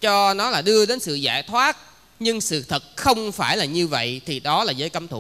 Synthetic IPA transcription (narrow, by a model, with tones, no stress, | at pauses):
t͡ɕɔ˧nɔ˨˦laː˨˩ɗɨ˧əɗe˨˦nsɨ̰˧˨zaː˧˩jt̪ʰwaː˦˥t̚ | ɲɨ˧ŋsɨ̰˧˨t̪ʰɨ˨˩t̚xə˧wŋ͡mfaː˧˩jlaː˨˩ɲɨ˧və̰˧˨jt̪ʰi˨˩ɗɔ˨˦laː˨˩zəː˨˦jkə˨˦mt̪ʰṵ˧˨